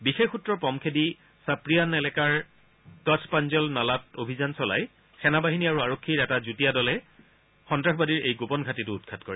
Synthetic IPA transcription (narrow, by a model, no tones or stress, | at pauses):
bixexutɹɔpɔmkʰedi | sapɹijanɛlɛkaɹ | katʰpanzɔlnalatobʱizansɔla̰j | sɛnabaɦiniaɹuaɹokʰːiɹɛtazutijadɔlɛ | xɔntɹaxʰbadiɹejɡopɔnɡʱatitʊːt̚kʰatkoɹɛ